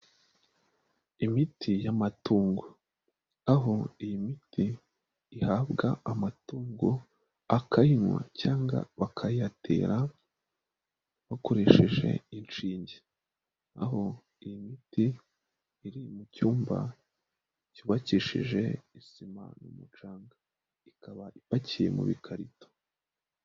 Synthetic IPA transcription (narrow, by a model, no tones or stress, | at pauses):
imitʰijamatuːŋɡo | aɦo̞ijimitʰiː | habɡaamatuːŋɡo | akʰajinwa̰caːŋɡa̰βakʰajiatʰḛːɾa | βako̞ɾe̞ːʃeʒe̞̰int͡ʃiːɲɟe | a̰ɦo̞ | ijimitiː | ɾimucuːmba̰ | cuβaciʃḭʒe̞̰isima̰numut͡ʃaːŋɡa | ikaβaipacije̞̰mṵβḭkʰaɾito̥